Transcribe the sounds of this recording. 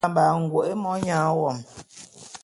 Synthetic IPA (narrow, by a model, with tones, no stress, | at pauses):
mbaː˨ŋ̩˨ɡwo˨ʔe˦mɔ˦ɲãː˨˦wɔ˨m